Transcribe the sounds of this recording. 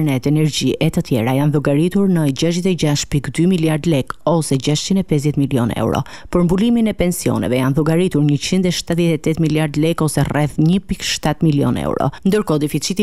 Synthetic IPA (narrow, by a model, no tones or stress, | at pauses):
nɛt̪ɛnɛɾɟiʔɛt̪ət̪jɛɾajanðuɡaɾit̪uɾnəɟaʃd̪ɛt̪ɛɟaʃpikd̪ymiljaɾd̪lɛkɔsɛɟaʃt͡ʃind̪ɛpɛz̬jɛt̪miljɔ̰nɛ̰wɾɔ̰ | pəɾmbuliminɛpɛnsiɔ̰nɛ̰vɛjanðuɡaɾit̪uɾɲət͡ɕind̪ɛʃt̪aðjɛt̪ɛt̪ɛt̪miljaɾd̪lɛkɔsɛrɛθɲəpikʃt̪at̪miljɔ̰nɛ̰wɾɔ̰nd̪əɾkɔd̪ɛfit͡ʃit̪i